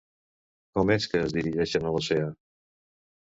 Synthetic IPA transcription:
kɔmɛskəːzðiɾiʒɛʃənəloseə

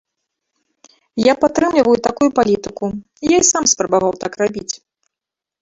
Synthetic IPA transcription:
japat̪ɾɨmlʲivɐjut̪akujupalʲit̪ɨku | ijajsamspɾɐbavawt̪akrabʲit͡sʲ

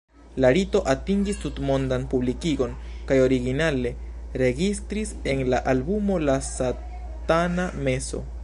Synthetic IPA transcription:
laɾito̞ʔatiŋɡistutmo̞ndanpublikiɡo̞n | kajo̞ɾiɡinale̞ | ɾe̞ɡistɾise̞nlaʔalbumo̞lasa | taname̞so̞̰

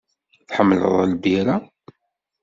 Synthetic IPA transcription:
θħəmːlə̰ðˤəlbiɾa

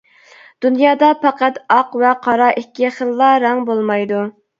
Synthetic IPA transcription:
d̪̥unjɑːd̪ɑpʰɑqæt̪ɑqvɛqʰɑɾɑʔikʲːiχəlˠːɑɾɑŋbolˠmɑjd̪u

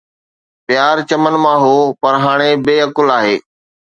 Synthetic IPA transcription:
pjaːɾt͡ɕəmənmãɦoːpɐɾɦaːɽ̃ebeːəkʊlaːɦḛː

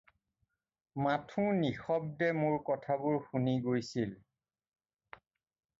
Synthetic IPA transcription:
matʰũnixɔb̚dɛmʊɹkɔtʰabʊɹxuniɡojsil

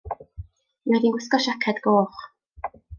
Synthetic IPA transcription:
mɛdinɡwɪskɔʃakʰɛd̪ɡoːχ

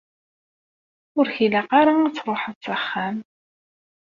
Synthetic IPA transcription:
ʊɾçilæqaɾait͡sːɾˤoħət͡sːəχːæm

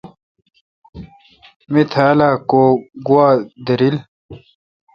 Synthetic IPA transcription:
mit̪ʰaːlaːkoːɡuwaːd̪ɐɾil

